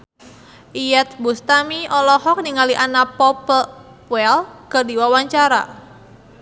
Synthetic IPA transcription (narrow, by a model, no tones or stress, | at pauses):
ʔijɛt̪̚bust̪amiʔɔlɔhɔk̚niŋaliʔanapɔpə | pɛlkərdiwawaɲt͡ʃaɾa̰